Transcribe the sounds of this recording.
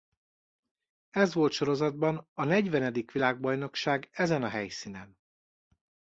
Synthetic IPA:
ɛzʋo̞lt̪ʃo̞ɾo̞zɒd̪̚bɒnɒnɛɟʋɛnɛd̪ikʋilaːɡ̚bɒjno̞kʃaːɡɛzɛnɒɦɛjsiːnɛn

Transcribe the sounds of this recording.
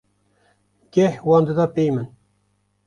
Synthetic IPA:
ɡ̥ʲɛhwɑːnd̪ɨd̪ɑːpejmɨn

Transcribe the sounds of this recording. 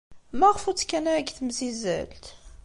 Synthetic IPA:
mæʁfut͡sːkænæɡθmzizæ̰lt̪

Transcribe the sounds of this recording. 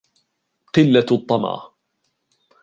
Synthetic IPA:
qɨlːat̪ˤːɑmɑ̰ʕ

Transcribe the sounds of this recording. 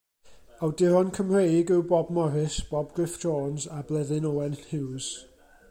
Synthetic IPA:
awdɪɾɔnkʰəmr̥ejɡɪwbɔbmɔɾɪsb̥ɔbɡrɪfoːnzablˠɛðɪnowɛnhɪwz̥

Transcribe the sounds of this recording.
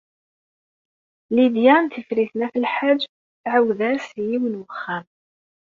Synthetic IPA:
lid̪jænθəfɾiθnæfəlħad͡ʒː | θʕawðæɾsjiwənwəχːam

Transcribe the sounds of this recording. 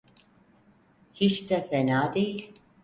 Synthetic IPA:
hiʃt̪ʰɛfɛnaːd̪e

